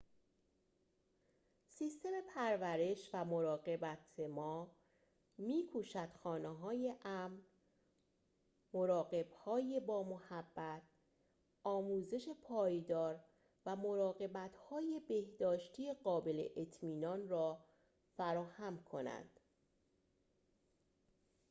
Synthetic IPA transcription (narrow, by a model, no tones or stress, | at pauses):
siːst̪e̞me̞pʰæɾvæɾe̞ʃvæmoɾɒːɣe̞bæt̪ʰemɒː | miːkʰuːʃæd̪̥xɒːneɦɒːje̞ʔæmn | moɾɒːɣe̞b̥hɒːjebɒːmohæbːæt̪̚ʰ | ʔɒːmuːze̞ʃe̞pʰɒːjd̪ɒːɾ | væmo̞ɾɒːɣe̞bæt̪ʰhɒːje̞be̞hd̪ɒːʃt̪ʰijeɢɒːbe̞le̞̰ʔet̪ʰmiːnɒːnrɒː | fæɾɒːhæmkʰo̞̰næ̰nd̪̥